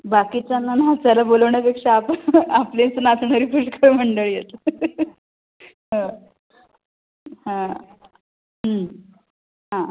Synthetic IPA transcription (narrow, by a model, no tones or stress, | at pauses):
bakit͡ɕanːanɦat͡ɕalaboləʋɳapekʂaːpaplent͡sənat̪ʰənaɾipʰuʂkʰəɾm̤əɳɖəɭijet̪ | ɦə̃ | hã | ɦə | ɦã